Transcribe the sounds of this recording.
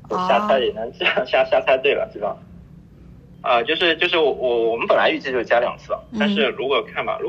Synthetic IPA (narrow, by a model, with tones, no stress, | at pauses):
o˥˩ɕja˥˧t͡sʰa˥ɪjɛ˨˩nɤ˧˥ŋt͡ɕɕja˥˧ɕja˥˧t͡sʰa˥t̪we˥˩ɪlə̰˩t̪i˥˩fɑ̰˥˩ŋ | ə˧t͡ɕjo˥˧ʊʂ̬ɻ̩˥˧t͡ɕjo˥˧ʊʂ̬ɻ̩˥˩wɔ˩wɔ˧˩wɔ˨˩mə˦npə˨˩nla˧˥ɪy˥˧t͡ɕʰi˥˧t͡ɕo˥˩˥ja˥ljɑ̰˨˩ŋt͡sʰɹ̩̰˥˩˨t̪a˥˧nʂɻ̩˥˩ɻu˧˥kwɔ˨˩kʰa˥˩nba̰˨˩ɻu˧˥